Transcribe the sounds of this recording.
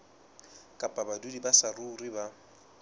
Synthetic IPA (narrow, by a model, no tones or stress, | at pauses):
kʼapʼabadudibasaruːriba